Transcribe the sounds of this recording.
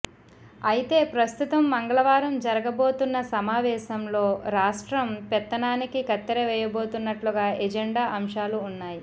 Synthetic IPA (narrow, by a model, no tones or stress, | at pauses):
ɐjit̪e̞ːpɾɐst̪ut̪ɐmːɐŋɡɐɭɐʋaːɾɐmd͡ʒɐɾɐɡɐbo̞ːt̪unːɐsɐmaːʋɛːʃɐmlo̞ːɾaːʂʈɾɐmpɛt̪ːɐnaːnikikɐt̪ːɐɾeʋɛːjɐbo̞ːt̪unːɐʈluɡaːɛd͡ʒeɳɖaːʔɐmʂaːluːnːaːji